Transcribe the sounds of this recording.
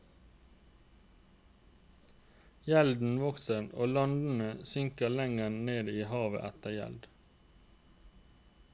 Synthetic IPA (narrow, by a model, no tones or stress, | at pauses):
jɛld̪n̩ʋɔksəno̰ːlɑnd̪n̩əsʏŋkəlɛŋənneːd̪iːhɑːʋə̰ʔæt̪əjɛ̰ld̪